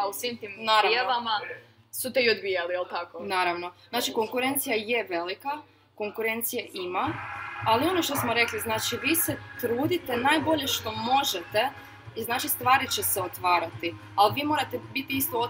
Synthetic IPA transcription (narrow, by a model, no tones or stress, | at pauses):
ausʋimt̪iːmnaːɾaeʋama | sut̪eiod̪bijalielˠt̪akonaːɾaʋno̞znaːt͡ʃiko̞ŋkuɾe̞nt̪sijajeʋe̞lika | ko̞ŋkuɾe̞nt̪sijaʔimaalio̞no̞ʃt̪o̞smoɾe̞kliznaːt͡ʃiʋiːset̪ɾuːd̪it̪enaːjbo̞ʎe̞ʃt̪o̞mo̞ʒet̪e̞ | iznaːt͡ʃist̪ʋaːɾit͡ɕeseot̪ʋaːɾat̪i | alʋiːmo̞ɾat̪ebit̪iist̪oo